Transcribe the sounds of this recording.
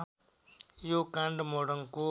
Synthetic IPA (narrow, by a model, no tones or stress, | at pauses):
ɪjoːkaɳɖmoːɽəŋkoː